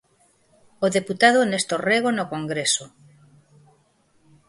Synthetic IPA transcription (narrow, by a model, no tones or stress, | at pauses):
oðeput̪aðonest̪oreɣ̞onokoŋɡɾeso